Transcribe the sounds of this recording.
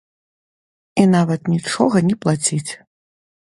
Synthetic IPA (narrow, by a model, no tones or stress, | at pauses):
inavɐt̪nʲit͡ʂɔɣɐnʲɛplˠat͡sʲit͡sʲ